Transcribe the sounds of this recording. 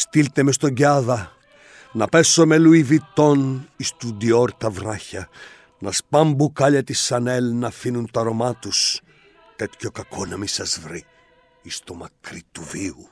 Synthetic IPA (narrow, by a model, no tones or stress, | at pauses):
st̪ilt̪emest̪o̞ɲɟɐðɐ | nɐpe̞so̞me̞luivit̪o̞nist̪ud̪ioɾt̪ɐvɾɐçɐ | nɐspɐmbukɐʎɐt̪isɐnelnɐfinunt̪ɐɾo̞mɐt̪us | t̪e̞t̪ço̞kɐkʰonɐmisɐzvɾi | ist̪omɐkɾit̪uviu